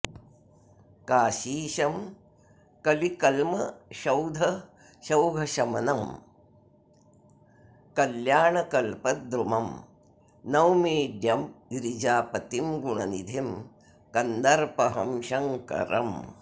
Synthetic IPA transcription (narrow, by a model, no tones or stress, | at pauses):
kaːʃiːʃɐm | kɐlikɐlmɐʃɐwd̪ʱɐ | ʃɐwɡʱɐʃɐmɐnɐm | kɐljaːɳɐkɐlpɐd̪ɾumɐm | nɐwmiːɖjɐmiɾid͡ʒaːpɐt̪imɡuɳɐnid̪ʱim | kɐnd̪ɐɾpɐɦɐmʃɐŋkɐ̰ɾɐ̰m